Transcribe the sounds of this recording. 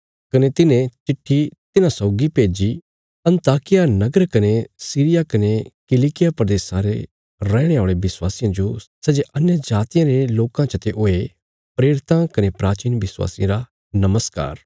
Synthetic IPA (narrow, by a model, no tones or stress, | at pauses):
kɐnet̪ɪnẽt͡ʃɪʈʰːit̪ɪnãsɔːʊɡipeːd͡ʒi | ɐ̃nt̪aːkɪjanɐɡəɾkɐnesiːɾɪjakɐnekɪlikɪjapɾɐd̪eːsãɾḛ | ɾɛːɽ̃eoːɭebɪswaːsɪjãd͡ʒosɛd͡ʒeʔɐnjəd͡ʒaːt̪ɪjãɾeloːkãt͡ʃət̪eʔoe | pɾeːɽɪt̪ãkɐnepɾaːt͡ʃiːnbɪswa̰ːsij̃ɾa | nɐməska̰ːɾ